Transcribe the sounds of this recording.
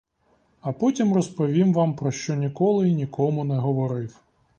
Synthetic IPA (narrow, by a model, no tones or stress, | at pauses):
ɐpɔtʲimrɔspɔʋʲimʋɑmpɾɔʃt͡ʃɔnʲikɔlˠɪinʲikʰɔmʊnɛɦɔʋɔɾɪw